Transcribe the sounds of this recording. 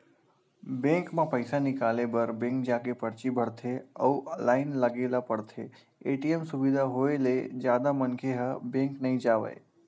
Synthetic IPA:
bẽŋkmãpəɪsanɪkaːlebəɾbẽŋk̚d͡ʒaːkepəɽt͡ʃibʱəɽt̪ʰeəuʔəlaːɪnləɡelapəɽt̪ʰe | eʈiemsʊʋid̪ʱaɦoeled͡ʒjaːd̪amənkʰeɦəbẽŋknəɦĩd͡ʒaːʋə̰j

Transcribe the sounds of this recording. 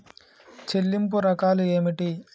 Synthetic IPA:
t͡ʃelːimp̬uɾɐkaːlue̞ːmiʈi

